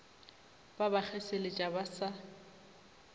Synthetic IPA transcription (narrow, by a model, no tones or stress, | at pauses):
babak͡xʰɛselɪt͡ʃʼabasa